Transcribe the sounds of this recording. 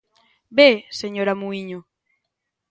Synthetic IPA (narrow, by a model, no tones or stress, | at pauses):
beseɲoɾamuiɲo